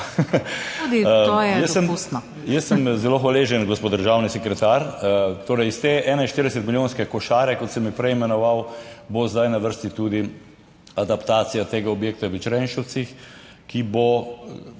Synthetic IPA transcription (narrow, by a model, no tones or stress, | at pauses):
ud̪iojɛjəssːəmusnɔ | jəsːəmzɛloxʋaleːʒənɡospoːd̪d̪əɾʒaːwnisɛkɾɛt̪aːɾt̪oːɾɛjst̪eːʔɛːnɛinʃt̪iɾd̪ɛsɛt̪miljõːnskɛkɔʃaːɾɛkɔt̪sɛmːipɾɛjimɛnɔʋawbozd̪ajnaʋəɾst̪it̪uːd̪i | ad̪apt̪aːt̪sijat̪eːɡaɔbjeːk̚t̪aʋit͡ʃɾɛnʃɔw̪six | kibo